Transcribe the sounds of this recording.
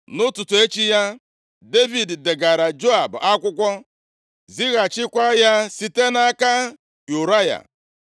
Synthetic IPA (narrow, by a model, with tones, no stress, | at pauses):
nʊ˦tʊ˨tʊ˨e˦t͡ʃi˦ja˦ | de˦vi˨dde˨ɡa˨ɾa˨d͡ʒo˦a˨ba˦kʷʊ˦kʷɔ˦ | zi˦ɣa˨t͡ʃɪ˦kʷa˦ja˦si˦te˦n˦a˦ka˦ | ju˨ɾa˦ja̰˨